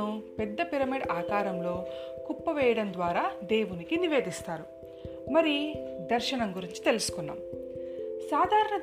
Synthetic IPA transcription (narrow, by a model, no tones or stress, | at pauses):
upɛd̪ːɐpiɾɐmiɖaːkaːɾɐmlo̞ːkupːɐʋɛːjɐɽɐnd̪ʋaːɾaːd̪e̞ːʋunikiniʋe̞ːd̪ist̪aːɾu | mɐɾid̪ɐɾʃɐɳɐmɡuɾiɲt͡ʃi̥t̪e̞lusu̥kunːa̰ːm | saːd̪ʱaːɾɐɳɐ